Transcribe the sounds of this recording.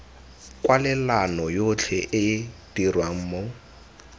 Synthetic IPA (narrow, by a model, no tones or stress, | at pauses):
kʼwalɪlanɔjot͡ɬʰɛʔɪd̥irwaŋ̩ːmo